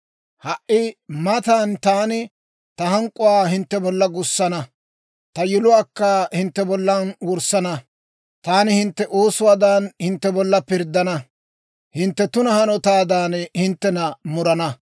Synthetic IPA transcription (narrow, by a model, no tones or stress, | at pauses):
hɐʔɪmɐt̪aːnt̪aːnɪ | t̪ɐɦɐŋkʼːʊwaːhɪnt̪ːɛbɔlːɐɡʊsːɐnɐ | t̪ɐjɪlʊwaːkːɐhɪnt̪ːɛbɔlːɐnwʊɾsːɐnɐ | t̪aːnɪhɪnt̪ːɛʔoːsʊwaːd̪anhɪnt̪ːɛbɔlːɐpɪɾd̪ːɐnɐ | hɪnt̪ːɛt̪ʊnɐhɐnɔt̪aːd̪aːnhɪnt̪ːɛnɐmʊɾɐnɐ